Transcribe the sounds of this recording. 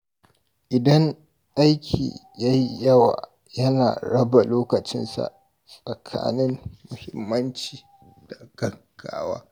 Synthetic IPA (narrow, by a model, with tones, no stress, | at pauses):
ʔɪ˨dɐ˦ŋ | ʔa˦jkʲʰḭː˨ja˦ji˦jɐ˦waː˨ | jɐ˦naː˨ɽɐ˦ba˨loː˦kɐ˨t͡ʃɪ̰˦nsa̰˨ | sʼɐ˨kʰa̰ː˦nɪ˦mmʊ˨hɪ˨mːɐ˦nt͡ʃiː˨ | d̥a˨ɡ̥ɐ˦ɡ̥ːaː˦wa̰ː˦